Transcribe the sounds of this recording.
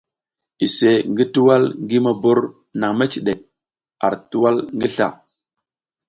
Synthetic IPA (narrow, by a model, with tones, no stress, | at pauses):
i˨se˨ŋɡi˦tu˦wa˦lŋɡi˦ma˨bo˦ɾ | na˨ŋme˦t͡ʃi˨ɗe˨k̚ | a̰˨ɾtu˦wa˦lŋɡi˦ɬa̰˨